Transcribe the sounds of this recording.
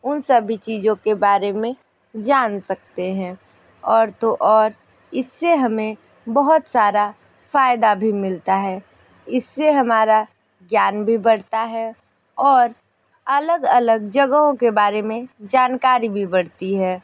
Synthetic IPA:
ʊnsəbʱit͡ʃiːd͡ʒõkebaːɾemẽ | d͡ʒaːnsɐk̚t̪eɦɛ̃ | ɔːɾt̪oʔɔːɾ | ɪsːeɦɐmẽ | bəɦʊt̪saːɾa | faːjɪd̪abʱimɪlt̪aɦɛː | ɪsːeɦɐmaːɾa | ɡjaːnbʱibɐɽt̪aɦɛ | ɔːɾ | ɐləɡələɡ̚d͡ʒəɡəɦõkebaːɾemẽd͡ʒaːnkaːɾibʱibɐɽt̪iɦɛː

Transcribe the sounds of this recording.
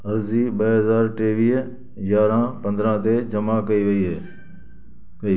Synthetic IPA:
əɾziːɓəɦəzaːɾʈeːʋiːɦ | jaːɾãːpə̃nd̪ɾãːt̪eːd͡ʒəmaːkəiːʋəiːɦeː | kiː

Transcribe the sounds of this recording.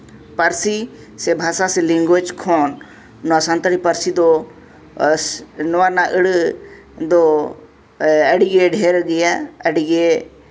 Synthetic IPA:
pəɾsi | sebʱaːsaselĩŋɡet͡ʃkʰoːnː | asãnt̪əɽipəɾsid̪o | nʊʋanaːʔɪɽ | d̪oː | əɽɡeɖʱeːɾɡɪjaəɽiɡe

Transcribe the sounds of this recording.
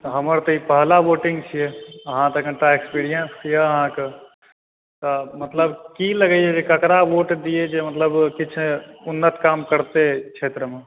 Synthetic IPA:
t̪ɦəməɾt̪oipəɦlaʋoːʈɪ̃ŋɡt͡ʃʰiɦeəɦãt̪əkẽʈaekspiːɾijənsijeəɦãke | t̪əmət̪ləbkiləɡəied͡ʒekəkɾaʋoːʈd̪ied͡ʒemət̪ləbkɪt͡ʃʰeʊnːət̪kaːmkəɾt̪ekʃʰeːt̪ɾəmẽ

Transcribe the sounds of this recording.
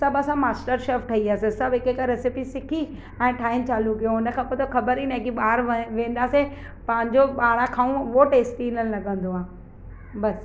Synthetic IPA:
sɐbɐsãmaːsʈəɾʃeːfʈʰɐiaːsẽsɐbɪkekaɾɛsɪpisɪkʰi | ɛ̃ːʈʰaːɪnt͡ɕaːlukijõɦʊnə̆kʰãːpoːt̪okɐbəɾinɐ̃kiɓaːɾʋẽːnd̪aːse | pɐ̃ɦɪ̃ɲd͡ʑoɓaːɽãkʰaːũʋoʈeːsʈiːnənlɐɠə̃nd̪oaː | bɐs

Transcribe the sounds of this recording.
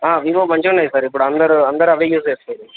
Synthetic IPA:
aːʋiːʋoːmɐɲd͡ʒonːɐjsaːɾɪpːɔɽɐnd̪ɐɾɯɐnd̪ɐɾɐʋeːjuːspeːsɯɐðɯ

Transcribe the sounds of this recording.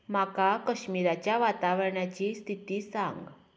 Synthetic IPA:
makakəɕmiɾat͡ɕjaʋat̪aʋəɾɳjat͡ɕiːst̪ʰit̪iːsa̰ŋɡ

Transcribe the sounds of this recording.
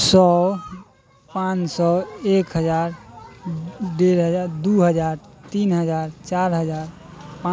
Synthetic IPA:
sɔ | pãt͡ʃsɔekɦəd͡ʒaɾ | ɖeɾɦəd͡ʒaɾd̪uɦəd͡ʒaɾt̪inɦəd͡ʒaɾt͡ʃaɾɦəd͡ʒaɾ | pã

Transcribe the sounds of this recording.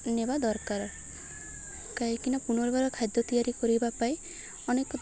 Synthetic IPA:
nebad̪ɔɾkaɾɔ | kaɦikinɔpuñɔɾbaɾɔkʰajd̪ɔt̪ijaɾikɔɾibapai | ɔnekɔ

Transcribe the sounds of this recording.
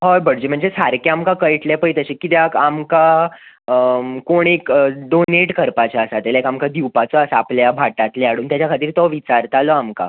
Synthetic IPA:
ɦojbəɽd͡ʑim̤əɳd͡zesaɾkaamkakəjʈlepəjt̪əɕikit̪jakamka | koɳ̃ekɖoneʈkəɾpat͡ɕaəsat̪elaekamkad̪iwpat͡sɔasaapljabʱaʈat̪lɛaɽuːnt̪jat͡ɕjakʰat̪iːɾt̪ɔʋit͡saɾt̪alɔamka̰

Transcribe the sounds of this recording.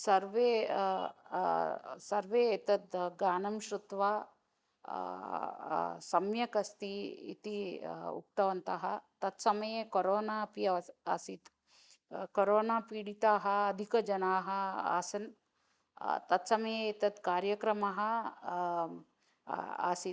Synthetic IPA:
sɐɾʋeː | sɐɾʋeːt̪ɐt̪ɡaːnɐmʃɾut̪ʋaː | sɐmjɐkɐst̪iḭt̪iṵk̚t̪ɐʋɐnt̪aːɦɐt̪ɐt̪sɐmɐjeːkoɾoːnaːpjɐasit̪ | koɾoːnaːpiːɽit̪aːɦɐɐd̪ʱikɐd͡ʒɐnaːɦɐa̰ːsɐn | t̪ɐt̪sɐmɐjeet̪ɐt̪kaːɾjɐkɾɐmɐɦɐ̆ | a̰sit̪

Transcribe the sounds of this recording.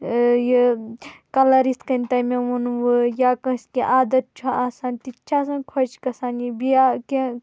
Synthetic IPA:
ji | kɐlɐɾist̪kɐnʲt̪ɐmeʋunʋɨjakɐ̃skiʔaːd̪ɐt̪̚t͡ʃʰuaːsaːnʲt̪it͡ʃʰaːsɐ̃nkʰot͡ʃkɐsaːnjibiakẽ

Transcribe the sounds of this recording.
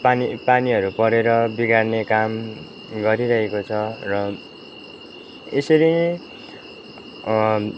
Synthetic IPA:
panipaniɦʌɾupʌɾeɾʌbiɡarnekam | ɡʌɾiɾʌɦekot͡sʰʌrʌ | esʌɾi

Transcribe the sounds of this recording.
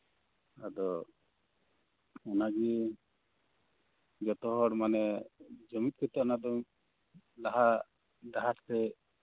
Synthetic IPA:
ad̪ɔ | ɔnaɡi | d͡ʒɔt̪ɔɦɔɽmanɛd͡ʒɔmit̪̚kit̪ɔʔnad̪ɔ | laɦa | d̪aɦastɛ

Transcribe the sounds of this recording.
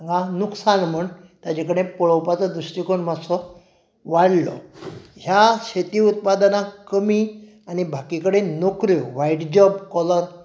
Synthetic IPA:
ŋɡanuksanm̤əɳt̪ad͡ʑekəɽẽpɔɭɔwpat͡sɔd̪ɾusʈikoɳmasɔ | ʋaɽlɔ̰ɦjaɕet̪iːut̪̚pad̪nakəmiː | anibʱakikəɽenokɾiuʋaiʈd͡ʑɔbkɔləɾ

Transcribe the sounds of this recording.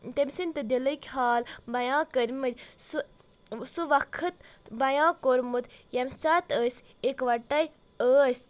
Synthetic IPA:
t̪emsinʲt̪ɨd̪ilɐkʲʰɦaːlbɐjãːkəɾʲmɐt̪ʲsu | suʋɐkʰɐt̪bɐjãːkoɾmut̪jɐmsɐt̪əːsʲ | ekʋɐʈːɐj | əːsʲ

